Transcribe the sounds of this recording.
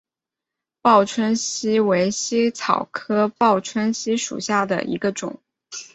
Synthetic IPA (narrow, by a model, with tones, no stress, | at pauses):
pɑ˥˩ʊʈ͡ʂʰwə˥nɕi˥we˧˥ɪɕi˥t͡sʰɑ˨˩ʊkʰɤ˥pɑ˥˩ʊʈ͡ʂʰwə˥nɕi˥ʂṵ˨˩ɕja˥˩d̪ə̰˩ʔḭ˧˥ɡə˧ʈ͡ʂʊ̰˨˩˦ŋ